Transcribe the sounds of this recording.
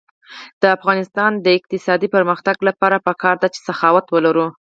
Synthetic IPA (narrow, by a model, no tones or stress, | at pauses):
d̪̥əafɣɑnɪst̪ɑnd̪əɪq̚t̪ɪsɑd̪ipəɾməxt̪aɡlapɑɾapəkɑɾd̪at͡ʃe̥saxɑwat̪wəlaɾu